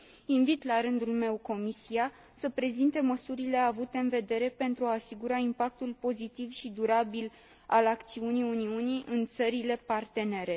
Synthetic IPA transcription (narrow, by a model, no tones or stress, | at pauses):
invit̪laɾɨnd̪ulme̞wko̞misia | səpɾe̞zint̪e̞məsuɾile̞avut̪e̞ɨnve̞d̪e̞ɾe̞pe̞nt̪ɾuaːsiɡuɾaimpak̚t̪ulpo̞zit̪ivʃid̪uɾabil | a̰lakt̪siunijuniuniʔɨnt̪səɾile̞part̪e̞ne̞ɾe̞